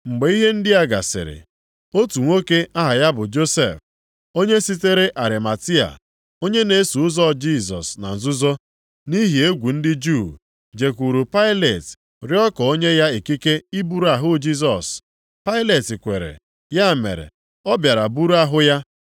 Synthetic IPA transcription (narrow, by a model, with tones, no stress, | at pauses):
ŋ͡m̩˨ɡ͡be˨i˦ɦe˦n̩˦dɪ˦a˦ɡa˨sɪ̰˨ɾɪ̰˨ | o˦tu˨ŋʷo˦ke˦ʔa˦ɦa˨ja˦bʊ˨d͡ʒo˦sḛ˨f | o˦ɲe˦si˦te˦ɾe˦ʔa˨ɾɪ˨ma˨ti˦a̰˨ | o˦ɲe˦ne˨˦su˨ʊ˦zɔ˦˨d͡ʒi˦˨zɔ̰˨sna̰˨n̩˨zʊ˦zɔ˦ | ni˦ɦi˨e˦ɡʷu˨n̩˦dɪ˦d͡ʒu˦˨ | d͡ʒe˨ku˨ɾu˨pa˦ɪ˦le˨t | ɾɪ˦ɔ˦kɔ˨o˦ɲe˦ja˦e˨ki˦ke˦i˦bu˦ɾu˨˦a˨ɦʊ˦d͡ʒi˦s̬ɔ˨s | pa˦ɪ˦le˨ti˨kʷe˨ɾḛ˨ | ja˦˨mḛ˨ɾḛ˨ | ɔ˦bja˨ɾa˨bu˦ɾu˦a˦ɦʊ˦ja˦